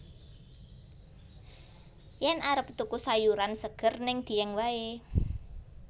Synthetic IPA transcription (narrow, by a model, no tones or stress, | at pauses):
jɛnʔaɾəp̚t̪ukusajuɾansəɡ̥ə̤rnɪŋd̪̥i̤ɛŋwae